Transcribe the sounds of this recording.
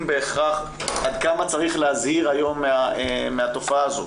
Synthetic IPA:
be̞ːχaχ | ʔad̪̚kamat͡saʁiχleazhiʁajo̞mːeaemeat̪o̞faaːzo

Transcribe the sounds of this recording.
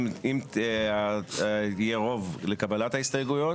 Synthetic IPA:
ima | ijeʁo̞vlekabalat̪haist̪ajeɡujo

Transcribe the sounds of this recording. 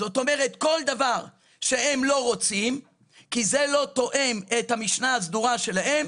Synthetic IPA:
zo̞t̪o̞me̞ʁe̞t̪ko̞ld̪avaʁ | ʃe̞e̞mlo̞ʁo̞t͡sim | kizelo̞t̪o̞ʔe̞met̪hamiʃnaazd̪uʁaʃe̞lahe̞m

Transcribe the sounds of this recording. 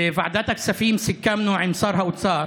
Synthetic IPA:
fa̰ʕd̪aːt̪aksafiːmsɪkːamnuːʕɪmsˤɑːɾˤɦawɪt̪sɑːɾˤ

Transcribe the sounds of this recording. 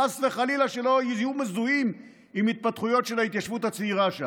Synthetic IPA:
asveχalilaʃe̞lo̞ijumezuim | imit̪̚pat̪χujo̞t̪ʃelait̪jaʃvut̪hat͡seiʁaʃa

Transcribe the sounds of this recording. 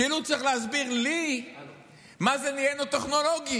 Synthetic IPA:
ilut͡sʁiχleazbiʁli | mazenijenot̪eχno̞lo̞ɡi

